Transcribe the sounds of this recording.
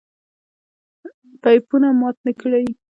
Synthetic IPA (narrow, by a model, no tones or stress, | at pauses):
pajpunamɑt̪̚nəkɽaj